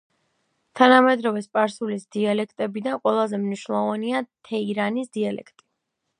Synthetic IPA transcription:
t̪ʰanamɛd̪ɾɔvɛspʼaɾsulisd̪̥ialɛkʰt̪ʼɛbid̪anqʼwɛlˠazɛmniʃnlˠɔvaniat̪ʰɛiɾanisd̪̥ialɛ̰kʰt̪ʼi̥

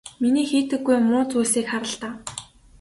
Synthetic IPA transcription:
miniːxiːt̪ɘ̆ɡːujmʊːt͡suːsiːkχaɾə̆ɮt̪aː

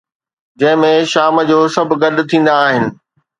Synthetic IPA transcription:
d͡ʑɐ̃ɦɪ̃mẽʃaːməd͡ʑoːsɐbʱɡɐɗt̪ʰĩːn̆d̪aːɦɪnɪ̆

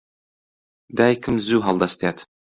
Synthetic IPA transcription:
d̪æjkʰɘmzuɦɑlˠd̪ɑst̪at̪

